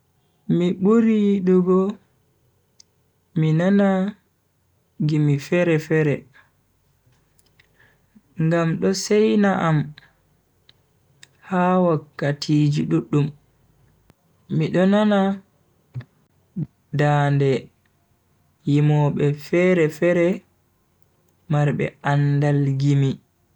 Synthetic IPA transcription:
miɓuɾiɗuɡɔ | minana | ɡimifɛɾɛfɛɾɛ | ŋɡamɗɔsɛjnaʔam | haːwakːatʰid͡ʒiɗuɗːum | iɗɔnana | daːndɛ | jimɔɓɛfɛɾɛfɛɾɛ | maɾɓɛ̰andalɡimi

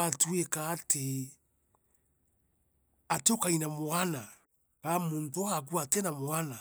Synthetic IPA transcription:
atuekaːtʰe | ateokainamoana | kamuntoaak̬uatenamoana

